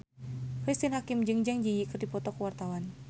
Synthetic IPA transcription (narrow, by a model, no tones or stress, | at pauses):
kɾist̪inhakimd͡ʒɨŋd͡ʒaŋd͡ʒijikərdipɔt̪ɔkəwart̪awan